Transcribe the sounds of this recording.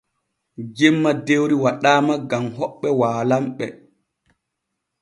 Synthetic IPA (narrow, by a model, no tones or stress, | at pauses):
d͡ʒɛmːadewɾiwaɗaːmaɡamɦɔɓːɛwaːlamɓɛ